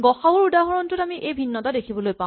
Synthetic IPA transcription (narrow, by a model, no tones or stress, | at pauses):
ɡɔxaʊɹudaɦɔɹɔntʊtamiʔejbʱinːɔtadekʰibɔlojpã